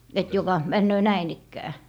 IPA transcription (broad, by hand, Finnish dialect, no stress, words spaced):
et jokɑ mænːøː næin ikːæː